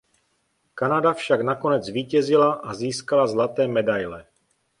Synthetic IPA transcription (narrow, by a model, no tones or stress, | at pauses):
kanadafʃaknako̞nɛd͡zviːcɛzɪlaʔaziːskalazlat̪ɛːmɛdajlɛ